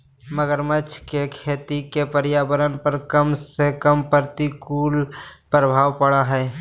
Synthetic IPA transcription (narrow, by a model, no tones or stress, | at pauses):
məɡəɾmət͡ʃʰkekʰeːt̪ikepəɾjaːbəɾənpəɾkəmsekəmpəɾt̪ikuːlpɾəbʱaːʋpəɽaɦɛː